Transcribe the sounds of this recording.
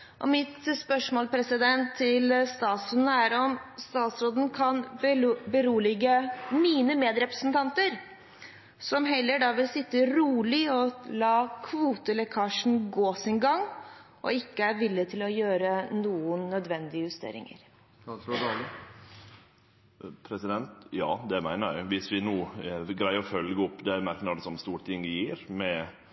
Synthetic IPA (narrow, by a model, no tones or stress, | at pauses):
ʔɔ̰mɪt̪spœʂmoːlpʰɾɛsɪd̪ɛnt̪ʰːɪlst̪ɑːt̪sʉnːəæɾɔmst̪ɑːt̪sɾoːd̪n̩kʰɑnbəɾuːlɪɡəmiːnəmeːd̪ɾɛpɾəsnt̪ʰɑnt̪əɾ | sɔmɦɛlːəɖɑːʋɪlsɪt̪ːəɾuːlɪɔlɑːkʰʋuːt̪əlɛkʰɑʂn̩ɡoːsɪnɡɑŋː | ʔɔ̰ɪkːəæɾʋɪlːət̪ʰɪlɔjøːɾənuːənːœd̪ʋɛnd̪ɪəjʉst̪ḛːɾɪ̰ŋə̰ɾ | pʰɾɛsɪd̪ɛnt̪jɑ̰ːd̪ɛmæɪnəɾjæɪʋɪsʋɪnuːɡɾæɪəɾɔfœlɡəɔpːd̪ɛmæɾkənɑd̪ɛsɔmst̪uːʈɪŋːəjiːɾmɛ